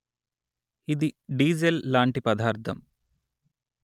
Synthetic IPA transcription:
id̪iɖiːd͡ʒelːaːɳʈipɐd̪aːɾt̪ʰɐm

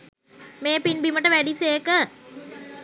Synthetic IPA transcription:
meːpinbiməʈəʋæɖiseːkə

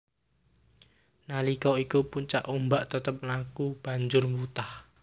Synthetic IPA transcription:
nalikɔikupuɲt͡ʃaʔombaʔt̪ət̪əp̚nakub̥ä̤ɲd͡ʒʊrmbut̪ah

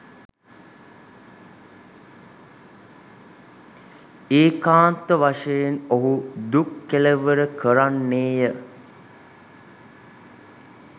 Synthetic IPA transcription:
eːkaːnt̪əʋaʂejenoɦud̪ukːeləʋəɾəkʰəɾanːeːjə

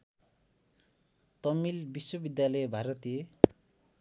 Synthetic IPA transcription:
t̪ʌmilbiswʌbid̪jalʌjbʱaɾʌt̪ije

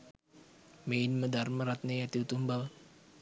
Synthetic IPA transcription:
meinməd̪arməɾat̪̚nejat̪iut̪umbal

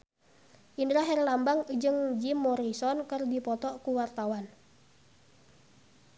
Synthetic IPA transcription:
ʔindɾaɦɛrlambaŋd͡ʒɨŋd͡ʒimːɔɾisɔnkərdipɔt̪ɔkuwart̪awan

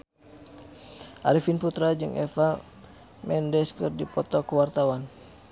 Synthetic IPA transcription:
ʔa̰ɾifinput̪ɾad͡ʒɨŋʔɛ̰fa | mɛndɛskɨrdipɔt̪ɔkuwart̪awan

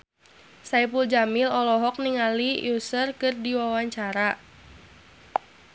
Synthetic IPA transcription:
saipuld͡ʒamilɔlɔɦɔk̚niŋaliusərkɨrdiwawaɲt͡ʃaɾa

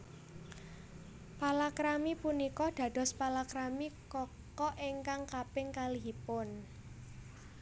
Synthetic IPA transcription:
palakɾamipunikɔɖ̪̥a̤d̥ɔ̤spalakɾamikɔ | kɔʔeŋkaŋkapɪŋkaliɦipʊn

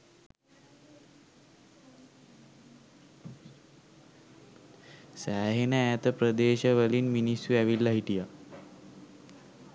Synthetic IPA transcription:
sæːɦenəæt̪əpɾəd̪eːʃəʋəlinminisjuæʋilːaɦiʈija

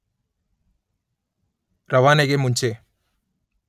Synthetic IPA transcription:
ɾɐʋaːneɡemuɲt͡ʃe

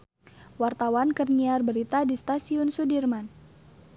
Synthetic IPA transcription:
wart̪awankərɲiarbəɾit̪adist̪asiʊnsudirman

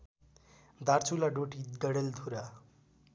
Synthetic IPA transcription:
d̪art͡sʰulaɖoʈid̪ʌɽeld̪ʱuɾa

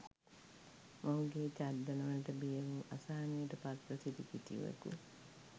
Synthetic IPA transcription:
maɦuɡeːt͡ʃaɾd̪ɐnɐʋɐlʈəbijəʋuʔasaːnijəʈəpat̪ɾəsid̪ikit̪ḭʋə̰kṵ

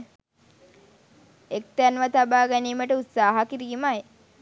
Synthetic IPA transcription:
ek̚t̪ænʋat̪abaːɡɛniːməʈəut̪saːɦakiɾiːmaj

